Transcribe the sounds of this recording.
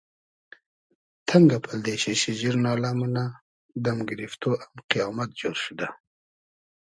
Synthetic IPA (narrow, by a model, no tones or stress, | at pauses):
t̪ʰaŋɡapʰald̪eɕeɕiʑiɾnɑːlamuna | d̪amɡɪɾift̪oʔamqijɑːmat̪̚d͡ʒoɾʃud̪a